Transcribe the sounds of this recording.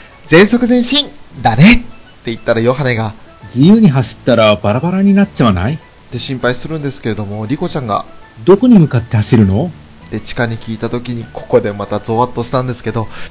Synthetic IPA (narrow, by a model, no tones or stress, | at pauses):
d͡zẽ̞ɰ̃so̞kɯ̟zẽ̞ɰ̃ɕĩnd̪anet̪ː | e̞it̪ːaɾajo̞ɦane̞ɡa | d͡ʑijɯ̟ːɲ̟iɦaɕi̥t̪ːaɾabaɾabaɾaɲ̟inat͡ɕaβana̰i | d̪̥e̞ɕĩmpaisɨɾɯ̟̃nd̪e̞sɨ̥keɾe̞d̪o̞mo̞ɾʲiko̞t͡ɕãŋɡa̰ | d̪o̞ko̞ɲ̟imɯ̟kat̪ːe̞haɕiɾɯ̟no̞ | d̪̥e̞t͡ɕi̥kaɲ̟ikʲiːt̪at̪o̞kʲiɲ̟ikʰo̞̥ko̞d̪e̞mat̪azo̞ːβat̪ːo̞ɕi̥t̪ãnd̪e̞sɨ̥ke̞d̪o̞